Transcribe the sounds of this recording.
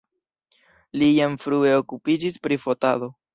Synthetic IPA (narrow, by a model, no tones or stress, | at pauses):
lijamfɾue̞okupid͡ʒispɾifo̞tado